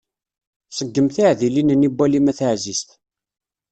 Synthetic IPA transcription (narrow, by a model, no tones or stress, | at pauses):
səɡːəmθiʕðilinənibːælimæθəʕzisθ